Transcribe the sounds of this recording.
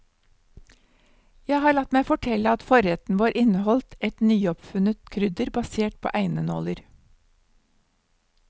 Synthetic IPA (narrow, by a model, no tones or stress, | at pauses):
jæɪhɑːɭɑt̪mæɪfɔʈʰɛləɑt̪fɔɾɛt̪n̩ʋɑːɾʔɪnəhɔlt̪ɛt̪nyːɔpfʉnət̪kʰɾʏd̪əɾbɑseːʈ̚pʰo̰ːʔæɪnəno̰ːləɾ